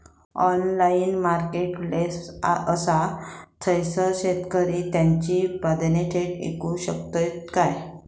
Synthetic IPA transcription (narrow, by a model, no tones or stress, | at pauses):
ɔnlainmaɾkeʈplesaəsat͡s̪ʰəjsəɕet̪kəɾit̪jãɲt͡ɕipad̪neʈʰeʈḛkũɕək̚t̪ət̪kaj